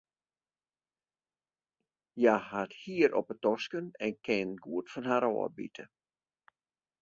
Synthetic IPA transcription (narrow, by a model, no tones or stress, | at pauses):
jahathiːəɾɔ̰pətɔskənɛnkɪnɡuətfɔnhaɾɔ̰ːə̰bḭtʰə